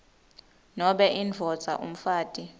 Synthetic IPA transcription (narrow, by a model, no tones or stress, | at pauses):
nɔɓɛʔind͡vʱɔd̥z̥ʱa̰ʔṵm̩faːtʼi